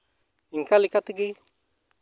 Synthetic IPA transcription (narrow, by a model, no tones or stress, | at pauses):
iŋkalɪkat̪iɡɪ